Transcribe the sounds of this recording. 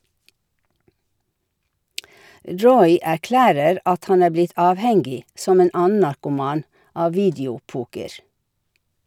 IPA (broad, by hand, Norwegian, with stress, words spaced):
ˈɹɔʏ æˈklæːɾəɾ ˈɑt ˈhɑn ˈæː ˈblɪt ˈɑːʋˌhɛŋɡɪ ˈsɔm ˈeːn ˈɑːən̩ nɑɾkʊˈmɑːn ˈɑː ˈʋiːdɪʊˌpuːkəɹ